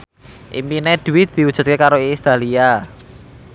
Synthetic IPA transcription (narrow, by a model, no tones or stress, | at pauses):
ʔḭmpined̪̥wɪt̪̚d̪̥i̤ud̥ʒ̥ṳt̪̚kekaɾoist̪alia